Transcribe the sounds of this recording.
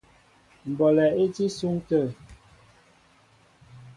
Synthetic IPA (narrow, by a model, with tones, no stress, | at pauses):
m̩˨bɔ˨lɛ˨e˦ti˦su˦ŋtə˦˨